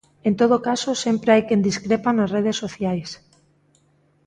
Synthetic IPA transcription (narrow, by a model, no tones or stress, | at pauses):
ent̪oð̞okasosempɾeajkend̪iskɾepanazreð̞esːoθjajs